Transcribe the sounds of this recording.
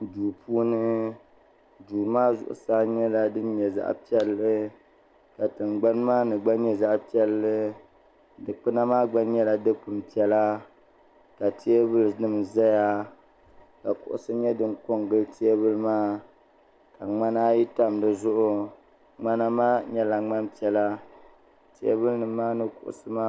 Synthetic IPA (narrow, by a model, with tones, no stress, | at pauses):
duː˨pʰuː˦nɨ˦ | duː˨maː˦zʊ̰˨ʔʊ̰˨sa˦ɲɛ˦la˨dɨ˦n˦ɲɛ˨za̰˦ʔpi˦ɛ˦lːɨ˦ | ka˨tɨ˨mɡ͡ba˦nmaː˦nɨ˨ɡ͡ba˦nɲɛ˦za˦ʔpi˦ɛ˦lːɨ˦ | dɨ˨k͡pɨ˦na˦maː˦ɡ͡ba˦n˦ɲɛ˦la˨dɨ˦k͡pɨ˨m˨pi˨ɛ˨la˦ | ka˨ti˦e˦bɨ˦lɨ˨nɨ˦m˨za˦ja˦ | ka˨kʊ̰˨ʔʊ̰˨sɨ˦ɲɛ˦dɨ˦ŋko˦ŋɡɨ˦lti˦e˦bɨ˦lɨ˦maː˦ | ka˨ŋ͡ma˦naː˦ji˦ta˦mdɨ˨zʊ˦ʔʊ˦ | ŋ͡ma˦na˦maː˦ɲɛ˦la˨ŋ͡ma˦mpi˨ɛ˨la˦ | ti˦ḛ˦βɨ˦lnɨ˨mː˦aː˦nɨ˦kʊ̰˨ʔʊ̰˨sɨ˦maː˦